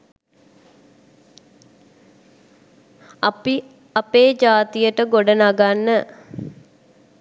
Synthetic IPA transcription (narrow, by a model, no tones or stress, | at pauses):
i | ɐpeːd͡ʒaːt̪ijəʈəɡoɖənaɡanːə